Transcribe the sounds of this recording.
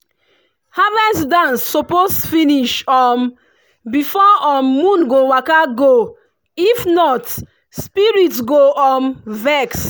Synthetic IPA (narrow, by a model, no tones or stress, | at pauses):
havɛsdãnsːɔposfiniʃɔm | bifɔɔmːũnɡowakaɡo | ifnɔt | spiɹitsɡoʔɔmvɛks